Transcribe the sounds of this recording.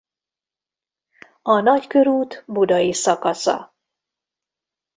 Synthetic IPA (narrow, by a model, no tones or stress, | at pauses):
ɒnɒckø̞ɾuːt̪bud̪ɒjisɒkɒsɒ̰